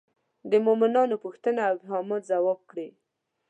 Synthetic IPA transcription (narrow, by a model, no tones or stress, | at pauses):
d̪əmomɪnɑnopuxt̪ənaawɪɦɑmɑt̪zawɑb̚kɽe